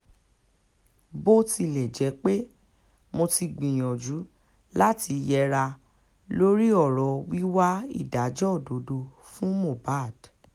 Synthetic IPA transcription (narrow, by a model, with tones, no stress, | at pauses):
bo˦ti˧lɛ˨d͡ʒɛ˨˧˦k͡pe˦ | mo˧ti˧ɡ͡bĩ˨j̃ɔ̃˨d͡ʒu˨˦ | la˦ti˧jɛ˧ɾa˧ | lo˦ɾi˦ɔ˦˨ɾɔ˨˦wi˦wa˦ḭ˦˨da˨˦d͡ʒɔ˦˨do˨˦do˧ | fũ˦mo˦˨ba˦˨d̥